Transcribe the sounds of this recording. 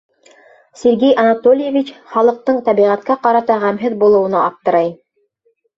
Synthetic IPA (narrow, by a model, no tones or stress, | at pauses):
sʲeɾɡejʔɑnat̪olʲɪjevʲit͡ɕχɑlˠɤ̆q̚t̪ɤɴt̪ɑβiʁæt̪̚kæqɑɾɑt̪ɑʁæmɦɘðbulˠɤ̆wɤ̆nɑːp̚t̪ɤ̆ɾɑj